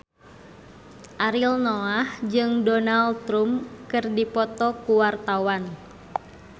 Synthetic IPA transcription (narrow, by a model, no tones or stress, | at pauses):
ʔaɾilnɔahd͡ʒɨŋdɔnalt̪ɾumkɨrdipɔt̪ɔkuwart̪awan